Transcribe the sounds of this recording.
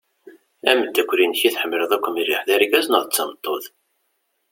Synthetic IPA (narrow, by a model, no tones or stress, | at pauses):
æməd̪ːækʷːɾinçiθħəmːləðˤækʷːəmiriħðæɾiɡæznəðˤt͡sːɑmt̪ˤːoð